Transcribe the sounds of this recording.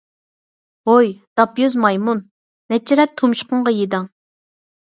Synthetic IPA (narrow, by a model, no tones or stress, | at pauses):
ojd̪̥ɑpjøzmɑjmunː | ɛt͡ʃʰːɪɾɛt̪ʰːumʃqʊɴʁɑjid̪ɑŋ